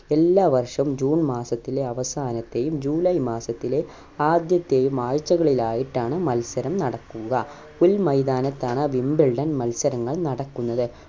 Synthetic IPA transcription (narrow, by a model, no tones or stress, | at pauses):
elːaːʋɐrʂɐmd͡ʑuːnmaːsɐt̪ːileɐʋɐsaːnɐt̪ːejumd͡ʑuːlɐjmaːsɐt̪ːile | aːd̪jɐt̪ːeːjumaːɻt͡ɕːɐɣɐɭilaːjiʈːaːɳɨmɐlsɐɾɐmnɐɽɐkːuɣɐ | ulmɐjd̪aːnɐt̪ːaːɳɨʋimbilɖɐnmɐlsɐɾɐŋːɐɭnɐɽɐkːunːɐðɨ